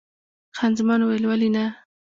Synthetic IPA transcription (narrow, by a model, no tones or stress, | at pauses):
xanzmɑnwelwalina